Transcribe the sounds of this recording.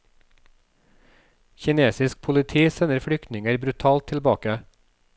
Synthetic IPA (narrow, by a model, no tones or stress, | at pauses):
çɪneːsɪsk̚pʰʊlɪt̪ʰiːsɛnəɾfɽʏkt̪nɪŋəɾbɾʉt̪ʰɑːlt̪ʰɪlbɑːkə